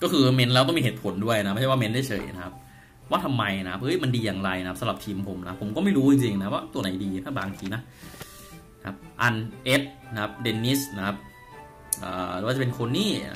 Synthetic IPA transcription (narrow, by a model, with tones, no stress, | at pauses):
kɔː˥˩kʰɯː˧me˦˥nlɛː˦˥t̪ɔ˥˩mi˧ɦeː˨˩t̪pʰo˨˩˦ndu˥˩əjna˦˥m̚ː˧˥˩waː˥me˦˥nda˥˩jt͡ɕʰɤ̰˨˩jna˦kʰa˦˥p̚ | waː˥˩t̪ʰa˧mːa˧jna˦kʰa˥p̚ʔɤ˦˥jma˧ndiː˧jaː˨˩ŋɾa˧jna˦ka˦˥sa˧lɾa˨˩p̚t̪ʰiː˧mpʰo˨˩˦mna˦˥pʰo˩˦mkɔ˥˩ma˥˩jɾuː˦˥t͡ɕi˧ŋt͡ɕi˧ŋna˦˥waː˥˩t̪u˧ɐna˩˦jdiː˧nʰa˦˥˩baː˧ŋt̪ʰiː˧na˦˥ | n˧˥kʰa˦˥p̚ʔa˧nʔe˦˥t̪̚na˦˥kʰa˦˥p̚de˧nːi˦˥sna˦˥kʰa˦˥p̚ | ʔə̰ː˨˩˨wa˥˩t͡ɕa˨p̬e˧nkʰo˧nːiː˥˩